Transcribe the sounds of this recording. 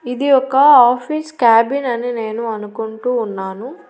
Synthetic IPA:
id̪iɔkɐaːpʰiskaːbinɐnine̞ːnuɐnukuɳʈuːnːaːnu

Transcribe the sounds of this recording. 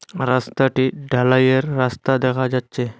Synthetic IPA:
ɾast̪aʈiːɖʱalajəɾːast̪ad̪ɛkʰad͡ʑatːt͡ɕe

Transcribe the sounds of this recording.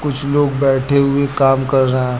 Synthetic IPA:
kʊt͡ʃʰloːɡ̚bɛːʈʰeɦʊekaːmkɐɾːəɦɛ̃ː

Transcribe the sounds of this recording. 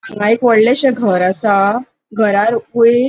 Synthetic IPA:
ãŋɡãikʋəɽleɕəɡʱəɾasa | ɡʱəɾaɾkue

